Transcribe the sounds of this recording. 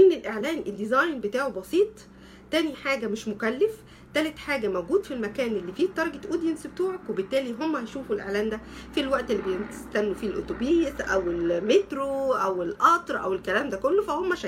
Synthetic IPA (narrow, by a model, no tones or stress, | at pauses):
ʔenːelʔeʕlæːnʔed̪ːizɑjnbet̪aːʕobɑsiːt̪ˤ | t̪æːniħaːɡæmɪʃmokælːef | t̪ælæt̪ħaːɡæmæwɡuːd̪filmækæːnʔelːiːfiːt̪ːˤɑɾˤɑɡet̪ʔuːd̪jensbet̪uːʕokwebet̪ːæːliɦomːæhɑʃuːfulʔḛʕlæːnd̪æfilwæʔt̪ʔelːibejenst̪ænːufilʔo̰t̪obiːsʔæwelmet̪ɾoʔæwelʔɑt̪ˤɾˤʔæ̰welkælæːmd̪ækolːofæhomːæʃæ